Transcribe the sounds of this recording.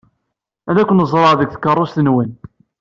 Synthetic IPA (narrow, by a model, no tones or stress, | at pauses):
æðækʷːənzˤɾˤəʕðəkʷθə̥kːərˤːost̪ənwən